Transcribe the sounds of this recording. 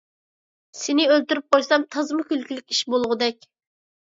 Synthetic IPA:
sɪnɪølt̪yɾyp̚qojsɑmt̪ʰɑzmʊkʲylkʲilɪkʲiʃbolˠʁʊd̪ɛkʲ

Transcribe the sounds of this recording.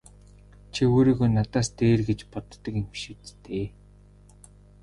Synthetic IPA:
t͡ɕʰioːɾiːɣojnat̪aːst̪eːrɡet͡ɕpɔt̪ːə̆kiŋʃĭt͡st̪eː

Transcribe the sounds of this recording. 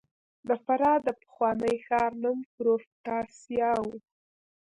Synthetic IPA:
d̪əfaɾɑd̪əpə̥xwɑnəjxɑɾnʊmpɾoft̪ɑsjɑwu

